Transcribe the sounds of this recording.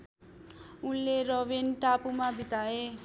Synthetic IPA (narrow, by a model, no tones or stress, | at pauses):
unleɾʌbinʈapumabʱit̪ae